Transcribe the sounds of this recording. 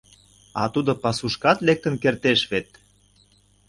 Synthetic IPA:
ɑ̰t̪ud̪ŏpɑsuʃkɑt̪lek̚t̪ə̆nkert̪eʃβet̪

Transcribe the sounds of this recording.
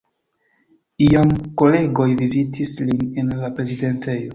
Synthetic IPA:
iamko̞le̞ɡo̞jvizitʰislinenlapɾe̞zide̞nte̞jo

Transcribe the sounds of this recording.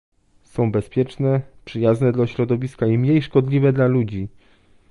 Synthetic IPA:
sɔ̃w̃bɛspʲjɛt͡ʂnɛpʂɘjaznɛd̪laɕɾɔd̪ɔvʲiskaimɲejʂkɔd̪lʲivɛd̪lalud͡ʑi

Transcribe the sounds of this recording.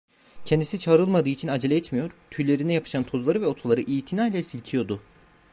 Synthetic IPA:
cʰɛnd̪isit͡ʃʰaːɾɯlˠmad̪ɯːit͡ʃʰinad͡ʒelʲeɛt̪mijo̞ɾt̪ʰyjlʲe̞ɾinɛjapʰɯ̥ʃant̪ʰo̞zlˠaɾɯvɛo̞t̪ʰulˠaɾɯʔijːt̪ʰinaːjlʲɛsilʲcʰijo̞d̪u

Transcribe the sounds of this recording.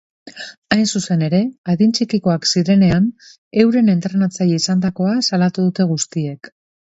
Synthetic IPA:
ajnsuse̞ne̞ɾe̞aðint͡ʃikiko̞aksiɾe̞ne̞an | e̞wɾe̞ne̞nt̪ɾe̞nat͡sajiisand̪ako̞asalat̪uðut̪e̞ɣ̞ust̪ie̞k

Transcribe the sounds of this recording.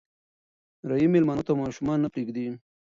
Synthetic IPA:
ɾajimelmɑnot̪amɑʃumɑnːapɾeɡd̪i

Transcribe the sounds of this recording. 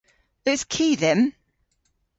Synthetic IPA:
ɪskʰiːðə̃m

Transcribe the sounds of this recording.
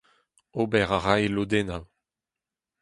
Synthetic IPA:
obɛʁaʁaelod̪enaw

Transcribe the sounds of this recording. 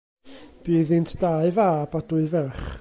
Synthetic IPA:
b̥ɨːðɪntʰd̥aɨvabadʊɨvɛrχ

